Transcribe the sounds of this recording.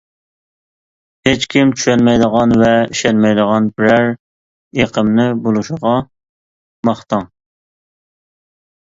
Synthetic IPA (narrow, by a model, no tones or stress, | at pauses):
het͡ʃkʲʰimt͡ʃʰy̥ʃɛnmɛjd̪əʁɑnvɛiʃɛnmɛjd̪əʁɑnbɪɾæɾ | eqʰəmnɪbolˠuʃəʁɑ | mɑχt̪ɑŋ